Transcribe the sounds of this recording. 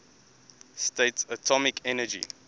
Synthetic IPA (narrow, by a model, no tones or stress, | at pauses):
stetsətʰɔmɪkʰɛnəd͡ʒḭ